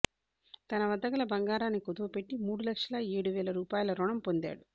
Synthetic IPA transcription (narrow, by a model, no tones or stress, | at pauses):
t̪ɐnɐʋɐd̪ɐɡɐlɐbɐŋɡaːɾaːnːikod̪uʋupeʈːimuːɽulɐkʂɐlɐeːɽuʋɛːlɐɾuːpaːjɐlɐɾɔɳɐmpond̪a̰ːɽu